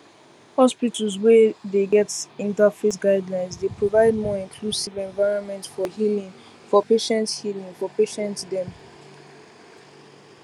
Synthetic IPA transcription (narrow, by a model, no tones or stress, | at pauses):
hɔspitəls̬wɛdeɡɛtĩntafesɡaɪdlãɪ̃nsdepɹovaɪd̚mɔĩnkʰlusivɛ̃nvaɪɹɔ̃nmɛ̃ntfɔhilĩŋ | fɔpeʃɛ̃nthilĩŋfɔpeʃɛ̃ntdɛ̃m